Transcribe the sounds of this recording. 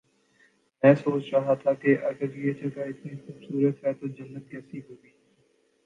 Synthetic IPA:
mɛ̃ːsoːt͡ʃɾaːɦaːt̪ʰaːkeʔəɡəɾjeːt͡ʃəkaːɪt̪niːxʊbsuːɾət̪ɦɛːt̪oːd͡ʒənːət̪̚kɛːsiːɦoːɡiː

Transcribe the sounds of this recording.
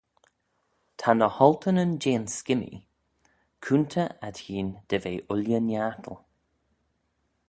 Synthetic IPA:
t̪ʰanəhɔlt̪ʰənənd͡ʒeːnskɪmḭ | kʰunt̪ʰəad̪hiːnd̪̥əveːʔʊljənjaːt̪ʰəlˠ

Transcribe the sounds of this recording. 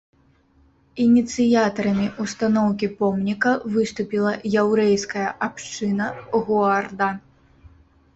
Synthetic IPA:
inʲit̪sɨjat̪ɐɾɐmʲiʔust̪anɔwkʲipɔmnʲikɐvɨst̪upʲilˠɐjawɾɛjskɐjɐʔapʂt͡ʂɨnɐɣuard̪a

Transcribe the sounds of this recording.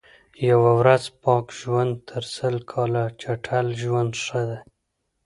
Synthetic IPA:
jawawɾazpɑkʒwand̪̚t̪ʰəɾsəlkʰɑlat͡ʃaʈʰalʒwand̪ʂəd̪e

